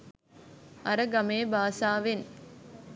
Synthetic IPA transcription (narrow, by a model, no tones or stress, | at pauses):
ɐɾəɡɐmeːbaːsaːʋen